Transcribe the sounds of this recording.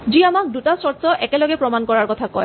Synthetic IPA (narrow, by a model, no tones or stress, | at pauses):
ziamak̚dutasɔsɔʔɛkɛlɔɡɛpɹɔmankɔɹaɹkɔtʰakɔ̰j